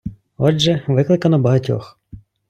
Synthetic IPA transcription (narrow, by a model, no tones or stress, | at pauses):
ɔʒɛʋɪklˠɪkɐnɔbɐɦɐtʲɔ̰x